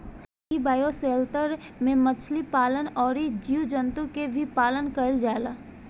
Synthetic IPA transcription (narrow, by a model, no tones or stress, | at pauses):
ibaːjoseːlt̪əɾ | mẽmət͡ʃʰlipaːlənɔːɾid͡ʒiːwd͡ʒənt̪ũkebʱipaːlənkəld͡ʒaːlaː